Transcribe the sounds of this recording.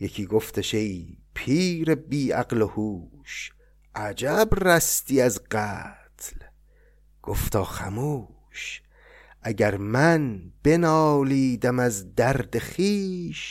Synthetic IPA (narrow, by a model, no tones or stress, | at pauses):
jekʰiːɡoft̪ʰeʃejpʰiːɾebiːæ̰qlohuːʃ | ʔæd͡ʒæbræst̪iːæzɢæt̪ʰl | ɡ̥oft̪ʰɒːχæ̰muː | ʃ | ʔæɟæɾmænb̥e̞nɒːliːd̪æmæzd̪æɾd̪eχiːʃ